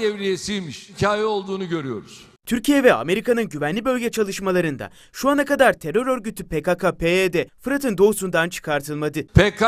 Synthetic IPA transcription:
evɾijesijmiʃhicʰaːjɛo̞lˠd̪uːnuɟø̞ɾyjo̞̰ɾuz̥ | t̪ʰyɾcijɛvɛa̰me̞ɾikanɯnɟyvænlʲibø̞lʲɟɛt͡ʃʰalˠɯʃmalˠaɾɯnd̪a̰ | ʃuanakad̪aɾt̪ʰe̞ɾø̞ɾø̞ɾɟyt̪ʰypekakʰapʰeed̪ɛfɯɾat̪ʰɯnd̪o̞usund̪ant͡ʃʰɯ̥kʰaɾt̪ʰɯlˠmad̪ɯpʰek

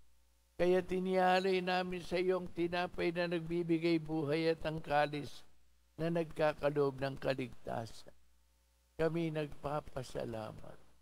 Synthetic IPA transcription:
kɐjaːt̪ɪnɪaːlɐjnaːmɪnsɐɪjoŋt̪ɪnaːpɐjnɐnɐɡ̚bibɪɡajbuːɦɐjɐt̪ɐŋkaːlɪs | nɐnɐɡ̚kaːkɐloʔob̚nɐŋkɐlɪɡ̚t̪a̰ːsɐn | kɐminɐɡ̚paːpɐsɐ̰la̰ːmɐ̰t̪̚

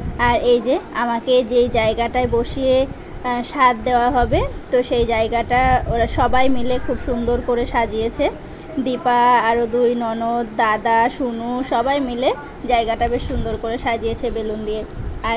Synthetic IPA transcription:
aɾejd͡ʑeamaked͡ʑejd͡ʑaeɡaʈaeboʃie | ʃad̪d̪eoaɦɔbet̪oʃejd͡ʑaeɡaʈaoɾaʃɔbajmilekʰubʃund̪oɾkoɾeʃad͡ʑiet͡ɕʰe | d̪ipaaɾod̪ujnɔnot̪d̪ad̪aʃunuʃɔbajmile | d͡ʑaeɡaʈabeʃʃund̪oɾkoɾeʃad͡ʑiet͡ɕʰebelond̪ieaɾ

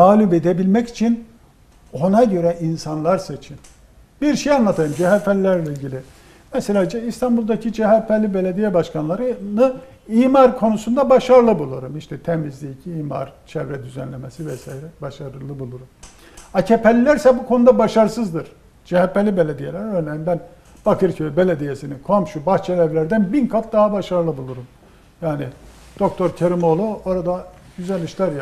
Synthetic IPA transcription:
t̪aːlʲubed̪ebilʲmɛci̥t͡ʃʰin | o̞naɟø̞ɾɛʔinsanlˠaɾsait͡ʃʰin | biɾʃejanlˠat̪ʰajɯmd͡ʒɛɦæpʰɛlʲilːʲæɾlʲɛilʲɟilʲi | mɛselʲaːd͡ʒɛist̪ʰanbulˠd̪acʰid͡ʒɛɦɛpʰːælʲːibelʲed̪ijɛbaʃkʰanlˠaɾɯnɯ | iːmaɾkʰo̞nusund̪abaʃaɾɯlˠɯbulˠuɾumiʃt̪ʰɛt̪ʰemizd̪iicʰiiːma̰ɾt͡ʃʰɛvɾɛd̪yzɛnlʲemesivɛsajiɾɛbaʃaɾɯlˠɯbulˠuɾum | acʰepʰɛlʲilʲæɾsɛbukʰo̞nud̪abaʃaɾɯsɯzd̪ɯɾ̥ | d͡ʒehɛpːɛlʲːibelʲed̪ijelʲæɾøɾnejinbæn | b̥akʰɯɾcʰøbelʲed̪ijesinikʰo̞mʃubat͡ʃʰɛlɛvlʲæɾd̪ænbinkʰafd̪aɦabaʃaɾɯlˠɯbulˠuɾum | jaːni | d̪̥o̞k̚t̪ʰo̞ɾcʰeɾimo̞lˠuo̞ɾad̪ad̪yzɛlʲːiʃlʲæɾja

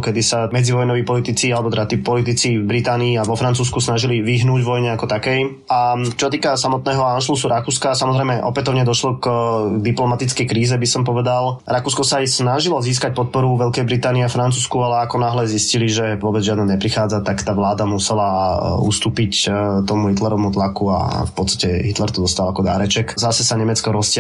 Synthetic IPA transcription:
kɛd̪isamɛd͡ziʋɔjnɔʋiːpɔlit̪it͡sialɛbɔt̪ɛɾaat̪iːpɔlit̪it͡sivbɾit̪aːniːaʋɔfɾant͡suːskusnaʒiliʋiɦnuːɟvʋɔjɲɛakɔt̪akɛj | at͡ʃɔsat̪iːkasamɔt̪nɛːɦɔanʃlusuɾʔakuːskasamɔzɾɛjmɛʔɔ̰pɛt̪ɔʊɲɛd̪ɔʃlɔkd̪iplɔmat̪it͡skɛjkɾiːzɛbisɔmpɔʋɛd̪alɾakuːskɔsaːjsnaʒilɔziːs̬kac̚pɔt̪̚pɔɾuʋɛlkɛjbɾit̪aːniafɾant͡suːskualɛakɔnaɦlɛzisciliʒɛʋʊɔbɛd͡zʒɪad̪naɲɛpɾixaːd͡zat̪akt̪aːʋlaːd̪amusɛlaṵst̪uːpict̪ɔmuɦit̪lɛɾɔʋmut̪lakua̰fpɔt̪st̪ḁcɛɦit̪lɛɾt̪ɔd̪ɔst̪alakɔd̪a̰ːɾɛt͡ʃɛkzasɛsaɲɛmɛt͡skɔɾɔscɪ

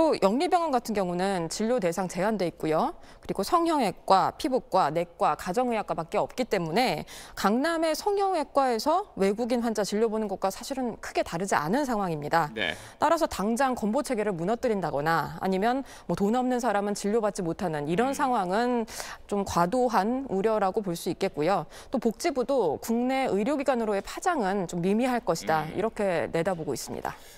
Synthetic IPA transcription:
t͈ojʔʌŋɲibjʌŋʌnɡatʰɯnɡjʌŋunɯnt͡ɕiʎːote̞sʰaŋt͡ɕe̞ɦandwe̞ik̚k͈ujo | kɯɾiɡosʰʌŋɦjʌŋɦe̞k̚k͈wapʰibok̚k͈wane̞k̚k͈wakad͡ʑʌŋɯjak͈wapak͈eʌp̚k͈it͈e̞mune̞kaŋname̞sʰʌŋjʌŋe̞k̚k͈wae̞sʰʌwe̞ɡuɡinɸwand͡ʑat͡ɕiʎːobonɯnɡʌk͈̚asʰaɕʰiɾɯnkʰɯɡe̞taɾɯd͡ʑia̰nɯnsʰaŋɦwaŋimɲida̰ | t͈aɾasʰʌtaŋd͡ʑaŋkʌmbot͡ɕʰe̞ɡe̞ɾɯɭmunʌt͈ɯɾindaɡʌ̰naa̰ɲimjʌn | mʌtonʌmnɯns̬ʰaɾamɯnt͡ɕiʎːobat̚t͡ɕ͈imotʰanɯniɾʌnsʰaŋɦwaŋɯnt͡ɕomkwadoɦanuɾjʌɾaɡopoɭs͈uik͈e̞t̚k͈ujo | t͈opok̚t͡ɕ͈ibudokuŋne̞ʔɯɾjoɡiɡanɯɾoe̞pʰad͡ʑaŋɯnt͡ɕomːimiɦaɭk͈ʌɕʰidaḭɾʌkʰe̞ne̞daboɡois͈ɯmɲḭda̰

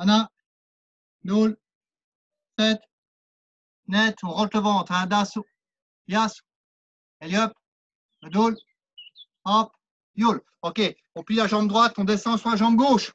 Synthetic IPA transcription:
ana | d̪ul | sɛt̪ | nɛt̪ɔ̃ʁɑ̃t̪ləvɑ̃t̪χɛ̃d̪asu | jas | ɛljɔp | d̪ul | ɔp | jol | ɔkʲe | ɔ̃plilaʒɑ̃bd̪ʁwat̪ɔ̃d̪esɑ̃suʁlaʒɑ̃bɡoːʃ

